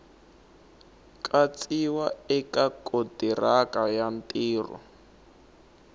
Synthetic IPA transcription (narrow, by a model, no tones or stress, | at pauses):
kʼat͡sʼiwaɛkakʼotirakajantʼiːrɔ̰